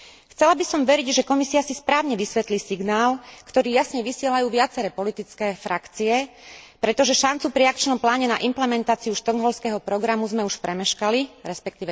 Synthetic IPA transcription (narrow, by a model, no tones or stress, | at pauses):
xt͡sɛlabisɔmʋɛɾiɟʒɛkɔmisiasispɾaːʊɲɛʋisʋɛt̪liːsiɡnaːlkt̪ɔɾiːjasɲɛʋisɪɛlajuːʋɪat͡sɛɾɛːpɔlit̪it͡skɛːfɾakt͡siɛpɾɛt̪ɔʒɛʃant͡supɾiakt͡ʃnɔmplaːɲɛna̰ʔimplɛmɛnt̪aːt͡siuʃt̪ɔŋɦɔlskɛɦɔpɾɔɡɾamuzmɛuʃpɾɛmɛʃkaliɾɛspɛk̚t̪iːʋɛ